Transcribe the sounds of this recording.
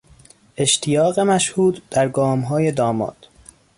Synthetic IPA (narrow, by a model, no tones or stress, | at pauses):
ʔe̞ʃt̪ʰijɒːɣemæʃhuːd̪d̪̥æɾɡɒːmɦɒːje̞d̪ɒːmɒ̰ːd̪̥